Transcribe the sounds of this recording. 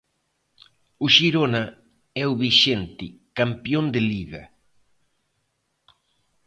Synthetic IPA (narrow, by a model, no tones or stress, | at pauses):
ʊʃiɾona | ɛuβiʃent̪ɪkampjond̪ɪliɣɐ